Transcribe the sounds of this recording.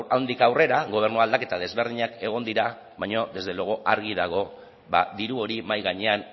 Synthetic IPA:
awnd̪ikawre̞ɾaɣo̞β̞e̞ɾnuald̪ake̞t̪aðe̞zβe̞ɾðiɲake̞ɣ̞o̞nd̪iɾa | βajɲo̞ðe̞zðe̞loɣo̞ʔaɾɣ̞iðaɣ̞o̞ | βa̰d̪iɾuo̞ɾimajɣaɲe̞an

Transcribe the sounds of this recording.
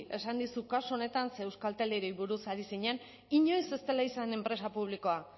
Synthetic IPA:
e̞sand̪isukasuone̞t̪anseːwskalt̪eleɾejβuɾusaɾisiɲen | iɲo̞jse̞st̪e̞laisane̞mpɾe̞sapuβ̞liko̞a

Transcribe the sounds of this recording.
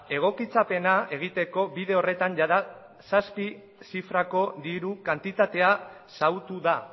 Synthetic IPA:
e̞ɣ̞o̞kit͡sape̞nae̞ɣ̞it̪e̞ko̞biðe̞o̞re̞t̪anʝaða | saspi | sifɾako̞ðiɾukant̪it̪at̪e̞a | sawt̪uða

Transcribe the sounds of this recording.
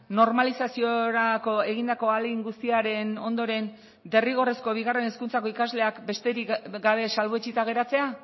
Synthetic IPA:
no̞ɾmalisasioɾako̞e̞ɣind̪ako̞aliŋɡust̪iaɾe̞no̞nd̪o̞ɾe̞n | d̪e̞riɣ̞o̞resko̞β̞iɣare̞ne̞skunt͡sako̞ikazle̞akbe̞st̪e̞ɾikɡaβ̞e̞salβoet͡ʃit̪aɣ̞e̞ɾat͡se̞a

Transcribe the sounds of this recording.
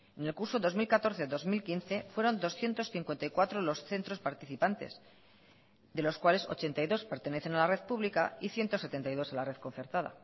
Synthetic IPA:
ene̞lkuɾso̞ðo̞zmilkat̪o̞ɾθe̞ðo̞zmilkinθe̞fweɾo̞nd̪o̞sθje̞nt̪o̞sθiŋkwe̞nt̪ajkwat̪ɾolo̞sθe̞nt̪ɾo̞spaɾt̪iθipant̪e̞̰s | ðe̞lo̞skwale̞so̞̰t͡ʃe̞nt̪ajðo̞spe̞ɾt̪e̞ne̞θe̞nalare̞ðpuβlikaiθje̞nt̪o̞se̞t̪e̞nt̪ajðo̞salare̞ð̥kõ̞n̟θeɾt̪aða̰

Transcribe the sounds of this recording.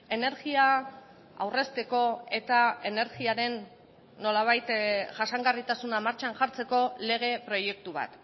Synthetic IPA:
e̞ne̞ɾɣia | a̰wre̞st̪e̞ko̞e̞t̪ae̞ne̞ɾɣiaɾe̞nː | o̞laβ̞ajt̪ʝasaŋɡarit̪asunamaɾt͡ʃanʝaɾt͡se̞ko̞le̞ɣ̞e̞pɾo̞je̞k̚t̪uβ̞a̰t̪

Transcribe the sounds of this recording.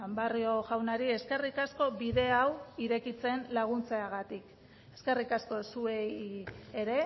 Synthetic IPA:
ambario̞ʝawnaɾie̞ske̞rikasko̞βiðe̞awiɾe̞kit͡se̞nlaɣ̞unt͡seaɣat̪ik | e̞ske̞rikasko̞sue̞jeɾe̞

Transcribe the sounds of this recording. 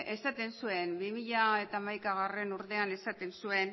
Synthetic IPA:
ʔe̞sat̪e̞nsue̞nbimiʎae̞t̪aːmajkaɣare̞nuɾðe̞ane̞sat̪e̞nsue̞n

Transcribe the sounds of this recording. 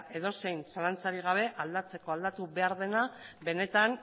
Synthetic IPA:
e̞ðo̞se̞jnsalant͡saɾiɣ̞aβ̞e̞ʔald̪at͡se̞koald̪at̪uβe̞aɾðe̞nabe̞ne̞t̪an

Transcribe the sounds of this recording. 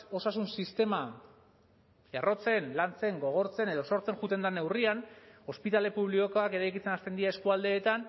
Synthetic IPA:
o̞sasunsist̪e̞ma | ero̞t͡se̞nlant͡se̞ŋɡo̞ɣ̞o̞ɾt͡se̞ne̞ð̞o̞so̞ɾt͡se̞ŋʝut̪e̞nd̪ane̞wriano̞spit̪ale̞puβ̞likoko̞ake̞ɾajkit͡se̞nast̪e̞nd̪iaeskuald̪e̞ːt̪an

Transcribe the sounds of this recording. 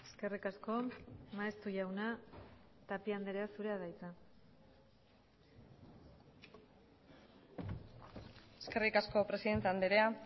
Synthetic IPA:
e̞̥ske̞rikasko̞maest̪uʝawna | t̪apiand̪eɾeasuɾe̞aðajt͡sa | eske̞rikasko̞pɾe̞siðe̞nt̪eand̪eɾea

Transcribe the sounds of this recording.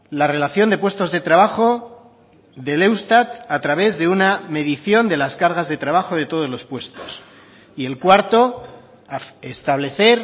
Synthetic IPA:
lare̞laθjo̞nd̪e̞pwe̞st̪o̞zðe̞t̪ɾaβ̞axo̞ | ðe̞le̞wst̪at̪at̪ɾaβ̞e̞zðe̞uname̞ðiθjo̞nd̪e̞laskaɾɣazðe̞t̪ɾaβ̞axo̞ð̞e̞t̪o̞ð̞ozlo̞spwe̞st̪o̞s | ie̞lkwaɾt̪o̞ | est̪aβle̞θe̞ɾ

